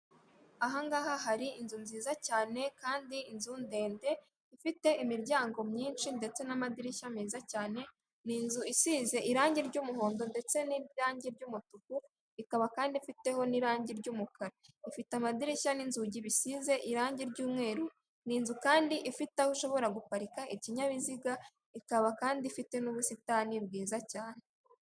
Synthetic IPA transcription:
aɦaŋɡaːhaɦaɾiinzunziːzacaːne̞kaːndiinzunde̞ːnde̞ | ifite̞ʔimiɾɟaːŋɡo̞mɲiːnʃinde̞t͡se̞namadiɾiʃamiːzacaːne̞ | niːnzuisiːze̞ʔiɾaːɲɟiɾɟuːmuɦo̞ːndo̞nde̞t͡se̞niɾaːɲɟiɾɟuːmutuku | ikaβakaːndifite̞ho̞niɾaːɲɟiɾɟuːmukʰaɾaifitamadiɾiʃaninzuɟiβisize̞ʔiɾaːɲɟiɾɟuːmŋe̞ːɾu | niːnzukaːndiʔifitahoʃo̞βo̞ɾaɡupaɾikaʔiciɲaβiziɡa | ikaβakaːndifite̞nuβusitaniɾɡiːzacaːne̞

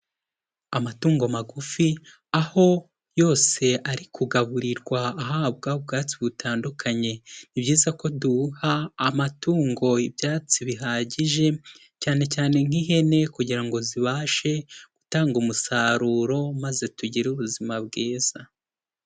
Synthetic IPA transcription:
amatuːŋɡo̞maɡufi | aho̞ | jo̞ːse̞aɾikʰuɡaβuɾiɾɡwaːɦab̚ɡab̚ɡaːt͡siβutʰaːndukʰaɲe̞nibɟiːzako̞duhaːmatuːŋɡo̞ibjaːt͡siβiɦaɟiʒe̞ | caːne̞caːne̞ŋ̥iɦe̞ne̞kuɟiɾaŋɡo̞ziβaːʃe̞ɡ̥utaːŋɡumusaːɾuːɾo̞maze̞tuɟiɾuβuzimabɡeːz̥a

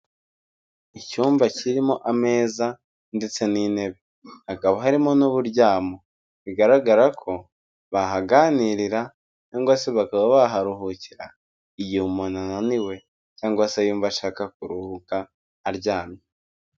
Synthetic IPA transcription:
icuːmvaciɾimo̞ʔame̞ːza | nde̞t͡se̞nine̞βe̞ | hakaβaɦaɾimonuβuɾɟaːmo | βiɡaɾaɡaɾakʰo̞ | βaɦaɡaniɾiɾa | caːŋɡwaseβakaβaβaɦaɾuɦuciɾa | ijihumonananiwe̞ | caːŋɡaasajuːɱvaʃaːkak̚uɾuhukaː | ɾɟaːmɲe

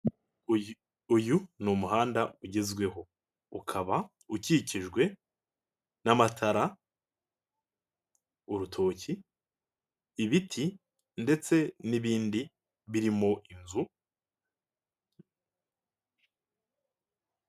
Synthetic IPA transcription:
ujunumuɦaːndauɟe̞zɡwe̞ho̞ | ukʰaβa | uciciʒɡwe̞ | namatʰaɾa | uɾutʰo̞ːci | βitʰi | nde̞t͡se̞niβiːndi | βiɾimo̞ʔinzu

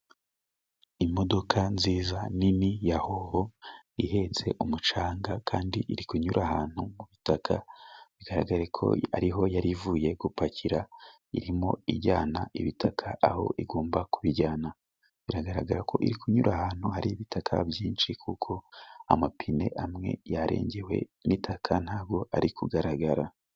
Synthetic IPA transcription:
imo̞do̞kʰanziːzaninijaho̞βo̞iɦe̞t͡se̞̰ʔumut͡ʃaːŋɡakʰaːndiʔiɾikuɲuɾʔahaːn̥humuβitakʰaβiɡaɾaɡaɾekʰo̞̰a̰ɾiɦo̞jaɾivuːje̞ɡupaciɾa | ḭɾimo̞iɾɟaːnaiβitʰakʰaʔaho̞̰ʔiɡoːmbakuβiɟaːna | βiɾaɡaɾaɡaɾakʰo̞̰ʔiɾikʰuɲuɾʔahaːn̥huhaɾiiβitʰakʰa̰bjiːnʃikʰukʰo̞a̰mapʰine̞̰ʔamŋe̞̰jaɾḛːɲɟewe̞̰nʔitʰakʰan̥aːb̚ɡo̞ʔaɾikʰuɡaɾaɡaɾa

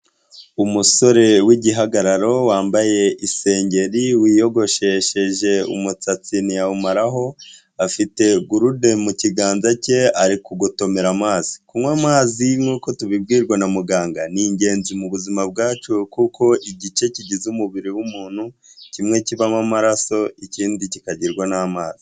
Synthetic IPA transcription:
umuso̞ɾe̞wiɟiɦaɡaɾaɾo̞waːmbaje̞ʔise̞ːɲɟe̞ɾiwiːjo̞ɡo̞ʃe̞ʃe̞ʒe̞ṵmut͡sat͡sinijaumaɾaɦo̞ | afite̞ɡuɾude̞muciɡaːnzace̞aɾikuɡuto̞me̞ɾamaːzi̥kumwamaːziŋŋuːko̞tuβib̚ɡiːɾɡwanamuɡaːŋɡaniɲɟe̞ːnzimuβuzimab̚ɡaːt͡ʃukuko̞ʔiɟit͡ʃe̞ciɟizumuβiɾiwumuːn̥hucimŋe̞ciβamamaɾaso̞iciːndicikaɟiɾɡwanamaːzi

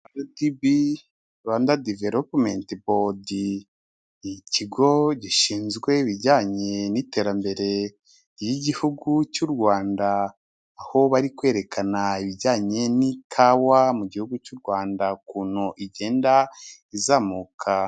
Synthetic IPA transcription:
andadibi | βaːndadiveɾopmentibodi | iciɡo̞ɟiʃiːnzɡwe̞iβiɟaːɲe̞nite̞ːɾambe̞ɾe̞ | jiɟihuɡut͡ʃuɾɡwaːndaː | ho̞βaɾikwe̞ːɾe̞kʰanaiβiɟaːɲe̞nikʰawamuɟihuɡut͡ʃuɾɡwaːndakuːnoʔiɟe̞ːnda | izaːmukʰa

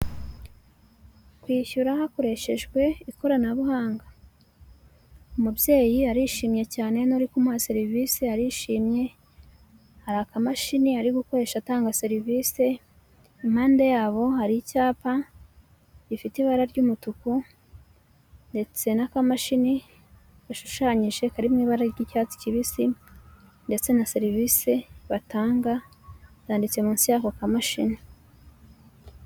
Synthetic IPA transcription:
kwiːçuɾahako̞ɾe̞ʃe̞ʒɡwe̞iko̞ɾanaβuhaːŋɡa | umubje̞ːjiaɾiʃiːmɲe̞caːne̞noɾikumwase̞ɾiviːseaɾiʃiːmɲe̞ | haɾakamaʃiniaɾiɡuko̞ɾe̞ʃataːŋɡase̞ɾivise | im̥haːnde̞jaːβo̞haɾicaːpa | ɟifitiβaɾaɾɟuːmutuku | nde̞t͡se̞nakamaʃini | βaʃu̥ʃaɲiʒe̞kaɾimwiːβaɾaɾɟiːcat͡si̥ciβisi | nde̞t͡se̞naseɾivise̞βataːŋɡa | zaːndit͡se̞muːnsijakokamaʃini

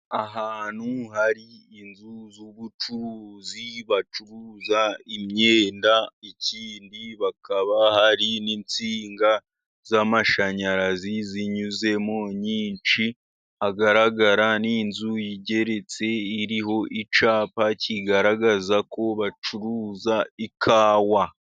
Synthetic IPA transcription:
aɦaːn̥huɦaɾiːnzuzuβut͡ʃuɾuːziβat͡ʃuɾuzaimɲeːndaiciːndiβakaβahaɾinint͡siːŋɡa | z̥amaʃaɲaɾaziziɲuze̞mo̞ɲiːnt͡ʃi | aɡaɾaɡaɾaninzujiɟe̞ɾe̞t͡se̞iɾiho̞ʔit͡ʃaːpacʰiɡaɾaɡazako̞βat͡ʃuɾuzaikʰaːwa

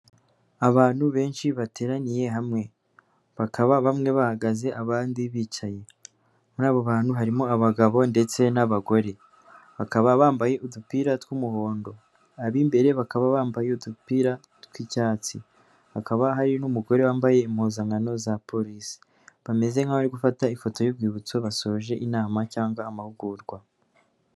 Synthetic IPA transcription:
aβaːnhuβe̞ːnʃiβate̞ːɾanije̞ɦamŋe̞ | βakaβaβamŋe̞βahaɡaze̞ʔaβaːndiβit͡ʃaje̞ | naːβo̞βaːnhuɦaɾimo̞aβaɡaβo̞nde̞t͡se̞naβaɡo̞ɾe̞ | βakaβaβaːmbaje̞udupiɾatwumuho̞ːndo̞ | aβimbe̞ɾe̞βakaβaβaːmbajeudupiɾa | twicaːt͡si | hakaβaɦaɾinumuɡo̞ɾe̞waːmbaje̞imhoːzaŋɡano̞zapo̞ɾisi̥ | βame̞ze̞ŋhaβaɾiɡufataifo̞to̞jub̚ɡiːβut͡so̞βaso̞ʒe̞ʔinaːmacaːŋɡwaːmahuɡuɾɡwa

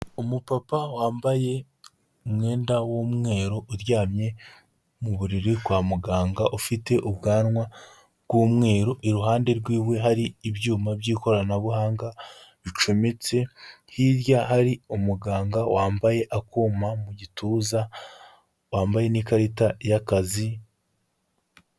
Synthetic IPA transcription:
umupapawaːmbaje̞ | umŋe̞ːndawomŋe̞ːɾo̞ʔuɾjaːmɲe̞ | muβuɾiɾiɡwaːmuɡaːŋɡaʔufite̞ʔubɡaːnŋwa | ɾɡwoːmŋe̞ːɾo̞ʔiɾuɦaːnde̞ɾɡwiːwe̞ɦaɾiːβjuːmabjiːko̞ɾanaβuhaːŋɡaβit͡ʃo̞met͡se̞hiɾjahaɾiumuɡaːŋɡawaːmbaje̞ʔakuːmamuɟituza | waːmbaje̞nikaɾitajakazi

